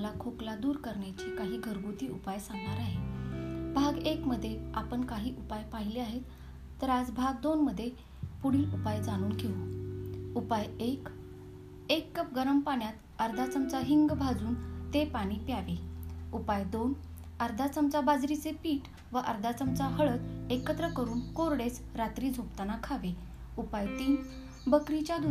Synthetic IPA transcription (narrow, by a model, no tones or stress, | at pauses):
lakʰoklad̪uːɾkəɾɳjat͡ɕekaɦiːɡʱəɾɡut̪iːṵpajsaŋɡɳaɾaɦe | bʱaɡekməd̪ʱːjeapəɳkaɦiːʔupajpaɦileaɦet̪ː | əɾad͡zbʱaɡ̚d̪onməd̪ʱːje | puɽ̤iːʔupajd͡zaɽ̃uːnkiɦu | upajek | ekːəp̚ɡəɾəmpaɳjat̪ | əɾd̪ʱat͡səmt͡saɦiŋɡbʱad͡zuːnt̪epaɽ̃iːpjaʋeupajd̪on | əɾd̪ʱat͡səmt͡sabad͡zɾit͡sepiːʈ | ʋəʔəɾd̪ʱat͡səmt͡saɦəɭət̪ekət̪ɾəkəɾuːnkoɾɽet͡s | ɾat̪ɾiːd͡zʱopt̪anakʰaʋe | upajt̪iːn | bəkɾit͡ɕjad̪ʱu